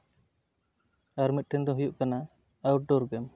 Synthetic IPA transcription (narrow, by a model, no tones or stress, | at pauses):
aɾmit̪̚ʈʰɛɲd̪ɔɦujuʔkana | awʈ̚ɖɔɾɡɛm